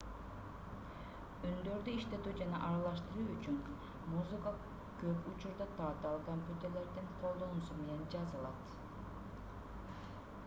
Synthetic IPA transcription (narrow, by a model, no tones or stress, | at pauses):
ynd̪ø̞ɾd̪yiʃt̪e̞t̪yd͡ʒɑnɑ̰ʔɑɾɑlˠɑʃt̪ɯɾuyt͡ʃyn | muzɨka | køput͡ʃuɾd̪ɑt̪ʰɑːt̪ɑlˠkomʲpʲjut̪e̞ɾle̞ɾd̪iŋqʰo̞lˠd̪o̞nusume̞ne̞nd͡ʒɑzɯlˠɑt̪